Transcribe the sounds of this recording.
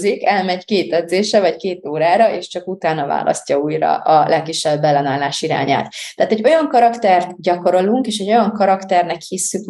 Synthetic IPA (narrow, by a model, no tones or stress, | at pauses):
zikɛlmɛɟkeːt̪ɛd̪zeːʃɛvɒckeːt̪oːɾaːɾɒʔeːʃt͡ʃɒkut̪aːnɒva̰ːlʔɒ̰scɒuːjɾɒ̰ʔɒlʔɛkːiʃːɛbːɛlːɛnaːlaːʃiɾa̰ːɲa̰ːt̪t̪ːaːt̪ɛɟo̞jɒŋkɒɾɒkt̪ɛrt̪ɟɒko̞ɾo̞luŋkeːʃɛɟo̞jɒŋkɒɾɒkt̪ɛrnɛkhisːyk